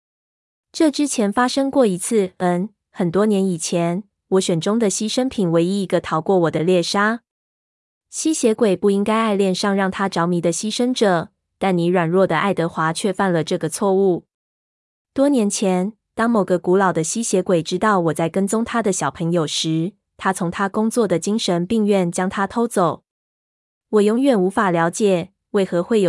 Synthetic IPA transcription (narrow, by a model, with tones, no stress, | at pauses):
ʈ͡ʂɤ˥˨ʈ͡ʂɻ̩˥t͡ɕʰjɛ˧˥nfa˥ʂɤ˥ŋkwɔ˥˩i˧˥t͡s̩ʰ˥˩ə˧˥n | xə˨˩nt̪wɔ˥njɛ˧˥ni˨˩t͡ɕʰjɛ˧˦n | wɔ˧˥ɕɥɛ˨˩nʈ͡ʂʊ˥ŋd̪ə˨ɕi˥ʂə˥npʰi˨˩nwe˧˥ɪi˥i˧˥ɡə˧t̪ʰɑ˧˥ʊkwɔ˥˩wɔ˨˩d̪ə˦ljɛ˥˩ʂa˥ | ɕi˥ɕjɛ˧˥kwe˨˩ɪpu˥˩i˥ŋka˥ɪa˥˧ɪljɛ˥˧nʂɑ˥˧ŋɻɑ˥˩ŋt̪ʰa˥ʈ͡ʂɑ˧˥ʊmi˧˥d̪ə˧ɕi˥ʂə˥ŋʈ͡ʂɤ˨˩ | t̪a˥˩nni˧˥ɻwa˨˩nɻwɔ˥˩d̪ə˩ʔa˥˩ɪt̪ɤ˧˥xwa˧˥t͡ɕʰɥɛ˥˧fa˥˩nlə˩ʈ͡ʂɤ˥˩ɡə˩t͡sʰwɔ˥˧u˥˩ | t̪wɔ˥njɛ˧˥nt͡ɕʰjɛ˧˥˦n | t̪ɑ˥ŋmo˨˩ʊɡə˧˦ku˧˥lɑ˨˩ʊd̪ə˦ɕi˥ɕjɛ˧˥kwe˨˩ɪʈ͡ʂɻ̩˥t̪ɑ˥˩ʊwɔ˨˩t͡sa˥˩ɪkə˥nt͡sʊ˥ŋt̪ʰa˥d̪ə˨ɕjɑ˨˩ʊpʰə˧˥ŋjo˨˩ʊʂɻ̩˧˥˦ | t̪ʰa˥t͡sʰʊ˧˥ŋt̪ʰa˥kʊ˥ŋt͡swɔ˥˩d̪ə˩t͡ɕi˥ŋʂə˧˦npi˥˧ŋɥɛ˥˩nt͡ɕjɑ˥ŋt̪ʰa˥t̪ʰo˥ʊt͡so˨˩ʊ | wɔ˨˩jʊ˧˥ŋɥɛ˨˩nu˧˥fa˨˩ljɑ˧˥ʊt͡ɕjɛ˨˩ | we˥˩ɪxɤ˧˥˦xwe˥˩ɪjo˨